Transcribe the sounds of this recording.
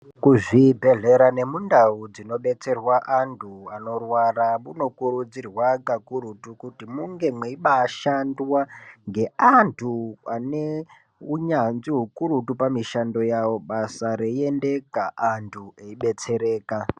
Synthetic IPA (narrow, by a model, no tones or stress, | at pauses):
kuʐibʱe̞ɮe̞ɾane̞mundaud͡zino̞ɓe̞t͡se̞rwaʔantʰuano̞rwaramuno̞kuɾud͡zirwakakuɾutukutimuŋɡe̞mweiɓaːʃandwaŋɡe̞antʰuane | uɲanziɦukuɾutupamiʃando̞jawo̞ɓasaɾeie̞nde̞kaʔantʰueiɓe̞t͡se̞ɾe̞ːka